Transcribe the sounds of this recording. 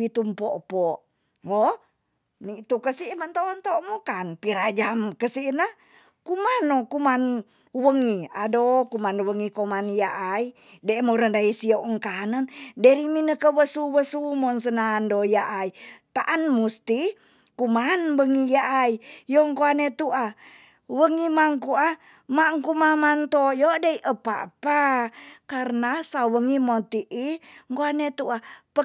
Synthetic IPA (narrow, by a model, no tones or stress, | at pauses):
it̪umpoʔpɔʔ | wo | nit̪ukəsimənt̪ont̪omokanpiɾad͡ʒamkəsinəh | kumanokuman | uwəŋiadokumanuwəŋikomanjaʔai | demoɾəndaisioʔəŋkanəndəɾiminəkəwəsuwəsumɔnsənandojaʔait̪aʔanmust̪i | kumanbəŋijaʔaijoŋkoanet̪uʔa | wəŋimaŋkua | maŋkumamant̪ojɔdeiʔəpa̰pakarənasawəŋimot̪iʔiŋkoanet̪uapə